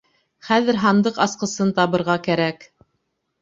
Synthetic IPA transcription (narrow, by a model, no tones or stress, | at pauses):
χæðɘ̆ɾɦɑnd̪ɤqɑsqɤ̆sɤnt̪ɑβɤ̆ɾʁɑkæɾæk